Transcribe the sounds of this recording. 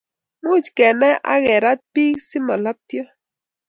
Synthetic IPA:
mu˦t͡ʃkɛ˨nɛ˦ʔa̰˦ɣɛ˨ɾa˦t̪̚pi˦ksi˦ma˨la˦p̚t̪jɔ˦

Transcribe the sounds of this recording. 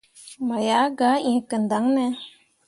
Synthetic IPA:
ma˨ja˨˦ɡa˨˦ʔẽ˨˦kə˨nd̪a˨˦ŋnɛ˧˦

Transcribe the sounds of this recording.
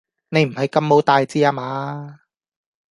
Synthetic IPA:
ne˨˧jm̩˨˩hɐ˨˧jkɐ˧mːo˨˥wt̪aː˨˧jt͡siː˧˥aː˧maː˨˧˥

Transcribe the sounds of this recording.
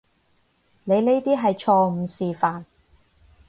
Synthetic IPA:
ne˨˧jle˥jt̪iː˥ɦɐ˨jt͡ʃʰɔː˧m̩˨˧siː˨faː˨n

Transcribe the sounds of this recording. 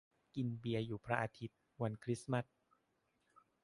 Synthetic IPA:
ki˧nbi˧ɐjuː˨˩pʰɾa˦ʔaː˧t̪ʰi˦˥t̪̚ | wa˧nkʰɾi˦˥sma˦˥˩t̚

